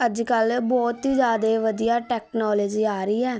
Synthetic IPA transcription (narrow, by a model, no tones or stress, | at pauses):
əd͡ʒkəlbɔːt̪ɦiːd͡ʒjaːd̪eːʋəd̪ijaːʈɛːknɔːleːd͡ʒiːaːɾəiːɛː